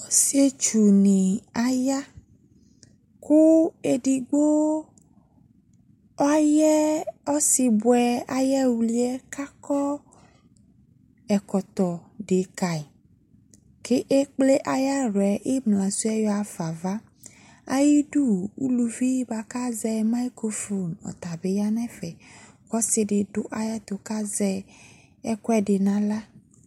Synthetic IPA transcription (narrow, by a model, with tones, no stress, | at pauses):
si˦e˦t͡ʃu˨nĩ˨a˨ja˦ | ku˦e˨ɖi˨ɡ͡bo˦ | a˦jɛ˦ɔ˦si˨bwɛ˨a˨jɛ˦wu˨li˦ɛ˦ka˦kɔ˦ | ɛ˨kɔ˨t̪ɔ˨ɖe˨ka˨i˨ | ke˦ʔe˦k͡ple˦ʔa˦ja˦ɾwɛ˨ʔe˦mlã˨su˦ɛ˦jɔ˦a˨fa˨va˦ | a̰˦ji˦du˦u˦lu˨vi˦ba˨ka˦zɛ˦ma˦ko˦fo˨nɔ̰˨t̪a˨be˨˦ja˦nɛ˦fɛ˨ | kɔ˦sɪ˨dɪ˨dʊ˦ʔa˦ja˦t̪o˨ka˦zɛ˦ | ɛ˦kwɛ˦dɪ˨nã˦la˦